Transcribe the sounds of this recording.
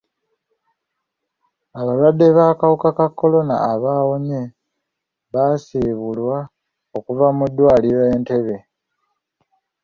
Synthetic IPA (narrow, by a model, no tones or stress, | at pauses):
aβalwadːe̞βaːkawukakakːo̞lo̞na̰ːβaːwoɲe | βasiːβulwa | okuvamud̪ːwaːliɾaeːnte̞βe̞